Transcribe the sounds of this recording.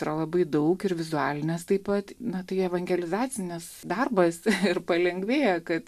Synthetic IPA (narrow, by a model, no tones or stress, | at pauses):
ɾɐlˠɐbɐɪd̪ɐʊkɪɾʋʲɪzuæːlʲɪnʲɛst̪ɐɪpɐt̪nɐt̪ɐɪɛʋɐŋʲɡʲɛlʲɪzɑːt͡sʲɪnʲɪsd̪ɐrbɐsɪrpɐlʲɛŋɡʲʋʲeːjɛkɐt̪